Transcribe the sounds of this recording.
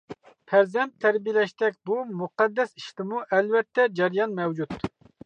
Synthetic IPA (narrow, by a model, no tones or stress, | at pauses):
pʰæɾzɛnt̪ʰːæɾbijlɛʃt̪ɛkʲbumuqɑd̪ːɛsi̥ʃt̪ɪmuʔɛlvɛt̪ʰːɛd͡ʒɛɾjɑnmɛwd͡ʒut̪